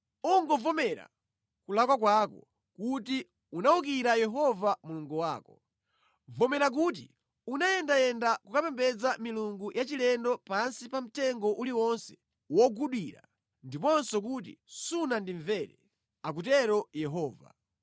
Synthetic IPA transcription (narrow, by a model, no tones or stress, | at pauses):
uŋɡɔvɔmɛɾa̰ | kulakwak̬wakɔ | kuti | unauk̬iɾajɛɦɔvamuluŋɡuwaːkɔ | vɔmɛɾak̬ut̬i | unajɛndajɛndakukapɛmbɛd͡zamiluŋɡujʔat͡ʃilɛndɔpansipam̩tɛŋɡɔʔuliwɔnsɛ̥ | wɔɡuɗwiɾa̰ | ndipɔnsɔk̬ut̬ḭsunandiɱvɛɾɛ | ak̬ut̬ɛɾɔjɛɦɔːva̰